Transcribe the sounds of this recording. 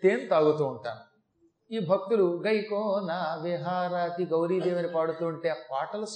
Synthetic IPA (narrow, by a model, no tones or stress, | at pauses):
t̪eːnt̪aːɡut̪uːɳʈa̰ːm | iːbʱɐk̚t̪uluɡɐjkoːnaːʋiɦaːɾaːt̪iɡɐwɾiːd̪eːʋɐnipaːɽut̪uːɳʈeːpaːʈɐlɐs